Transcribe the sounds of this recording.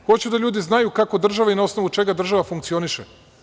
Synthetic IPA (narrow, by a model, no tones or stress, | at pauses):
xo̞t͡ɕud̪aʎuːd̪iznajukako̞d̪r̩ʒaʋainao̞sno̞ʋut͡ʃe̞ɡad̪r̩ʒaʋafuŋkt̪sio̞niʃe